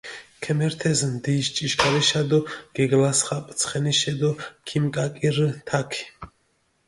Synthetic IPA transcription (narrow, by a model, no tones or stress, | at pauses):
kʰɛmɛɾt̪ʰɛzmd̪iʃt͡ʃʼiʃkʰʼaɾiʃad̪ɔɡ̥ɛɡlasχapʼt̪sʰχɛniʃɛd̪ɔkʰimkʼakʼiɾt̪ʰakʰi̥